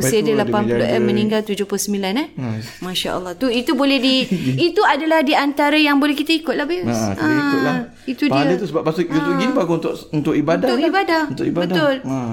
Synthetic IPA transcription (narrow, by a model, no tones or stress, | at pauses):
sidəlapanpuloʔɛmə̃niŋɡalt̪ud͡ʒoplosəmilanamãʃa̰ʔə̰lˠːɑht̪uit̪ubolɛhdiit̪uadalahdiant̪aɾajaŋbolɛhkit̪aikʊt̪̚lahbisãkʊla | it̪udiədət̪usəbap̚basuɡut̪uɡinibaɡuunt̪ʊʔunt̪ʊʔibadakibadaunt̪ʊ̰ibabədt̪ʊl